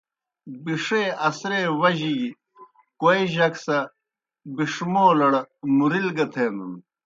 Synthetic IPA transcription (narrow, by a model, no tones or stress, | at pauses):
biʂeɐsɾeːwɐʑi | koeʑɐksɐ | biʂmoːlɐɽɐmuɾilɡɐt̪ʰeːnun